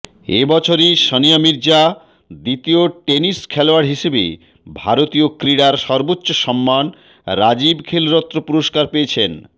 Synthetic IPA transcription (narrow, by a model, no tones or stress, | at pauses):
ḛbɔt͡ɕʰoɾiʃɔnijamiɾd͡ʑa | d̪it̪ioʈeniskʰɛloaɽɦiʃebḛ | bʱaɾot̪iokɾiɽaɾʃɔɾbotːɕoʃɔmːan | ɾad͡ʑibkʰelɾɔt̪ːɾopuɾoʃkaɾpeet͡ɕʰen